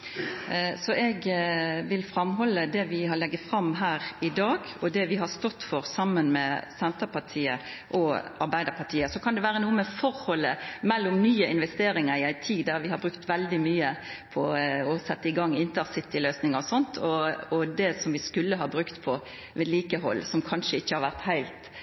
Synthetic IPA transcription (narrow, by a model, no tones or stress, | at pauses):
sɔʔɛɡʋɪlfɾɑmhɔlːəd̪ɛʋɪɦɑɭɛɡːəfɾɑmːɦæːɾɪd̪ɑːɡɔd̪ɛʋɪɦɑst̪ɔt̪ːfɔɾsɑmːənmɛsɛnt̪əpɑtʰiːə̰ | ʔɔɑɾbæɪd̪əɾpʰɑʈ̪ʰiːəsɔkʰɑnd̪ɛʋæːɾənuːəmɛfɔɾhɔlːəmɛlːʊmnyːəɪnʋɛst̪eːɾɪŋəɾɪæɪt̪ʰiːd̪æɾʋɪhɑɾbɾʉkt̪ʋɛld̪ɪmyːəpʰɔɔsɛt̪ːəɪɡɑŋːɪnt̪əɾsɪt̪ːɪløːsnɪŋəɔsɔnt̪ʰɔɔd̪ɛsɔmʋɪskʉlːəɦɑbɾʉkt̪pʰɔ | ʋeːd̪liːkəɦɔ̰lːsɔmkʰɑnʂəɪçːəhɑɾʋæʁt̪hæɪlt̪